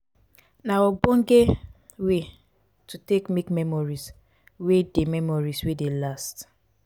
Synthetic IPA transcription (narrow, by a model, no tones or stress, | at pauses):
nawɔbɔ̃ŋ̩ɡe | we | tutekmekmɛmɔɹis | wedemɛmɔɹiswedelast